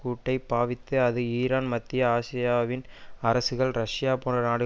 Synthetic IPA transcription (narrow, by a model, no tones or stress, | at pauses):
kuːʈːɐɪpaːʋɪt̪ːɯɐðɯiːɾaːnmɐt̪ːɪjɐaːsɪjaːʋɪnɐɾɐsɯɣɐɭɾɐʂɪjaːpoːnrɐnaːɽɯ